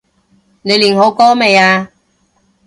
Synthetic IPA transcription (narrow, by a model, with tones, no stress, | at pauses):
ne˨˧jliː˨˩nɦo˨˧wkɔː˥me˨˧jaː˧